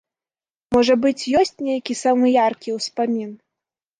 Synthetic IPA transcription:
mɔʐɐbɨt͡sʲjɔsʲt͡sʲnʲejɐkʲisamɨjarkʲiwspamʲin

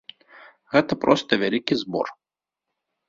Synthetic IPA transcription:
ɣɛt̪ɐpɾɔst̪ɐvʲalʲikʲizbɔ̰r

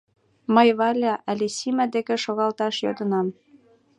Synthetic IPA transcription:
məjβɑlʲɑʔælʲesimæd̪ekĕʃoɣɑlt̪ɑʃjod̪ə̆nɑm

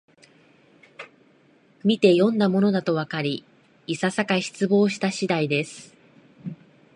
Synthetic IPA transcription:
mʲit̪e̞jõ̞nd̪amo̞no̞d̪at̪o̞β̞akaɾʲiː | sasakaçi̥t͡sɨbo̞ːɕi̥t̪aɕid̪aid̪e̞sɨ̥

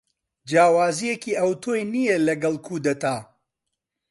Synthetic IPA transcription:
d͡ʒaːwaːzijekiːʔɐwt̪ʰoːjnijelɐɡɐlˠkʰuːd̪ɐt̪aː

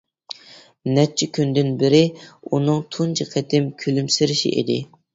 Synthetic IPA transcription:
nɛt͡ʃʰːɪkʲʰynd̪ɪnbɪɾɪunɨŋt̪ʰunt͡ʃʰɪqʰɛt̪ʰɪmkʲʰylymsɪɾɪʃḭʔḛd̪ɪ̰

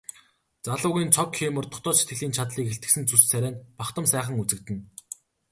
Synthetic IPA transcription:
t͡saɮʊːɣʲiːnt͡sʰɔkxiːmə̆rt̪ʰʊ̥̆χt̪ɔːset̪ɡɘ̆ɮiːnt͡ɕʰat̪ɮiːkxeɬt̪ɘ̆sɘ̆nt͡sussæɾʲæːnpaχt̪ə̆msæːχə̆ŋut͡sɘ̆kt̪ɘ̆n

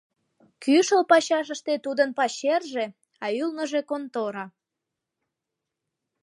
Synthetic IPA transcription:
kyʃəlpɑɕɑʃ̬əʃt̪et̪ud̪ənpɑɕerʒe | ɑylnəʒe̽kont̪oɾɑ

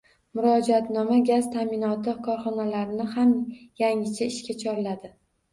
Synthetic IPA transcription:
mʊɾɒd͡ʒat̪nɒmaɡʲazt̪ʰamɪnɒt̪ɪkʰɒɾχɒnalaɾɪnɪhamjaŋɪt͡ʃʰaɪʃkʲat͡ʃʰɒɾlad̪ɪ

